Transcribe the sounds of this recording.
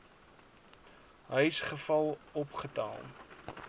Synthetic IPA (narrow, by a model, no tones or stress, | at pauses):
ɦœjsχəfɐlˠɔpχətɑ̰ːlˠ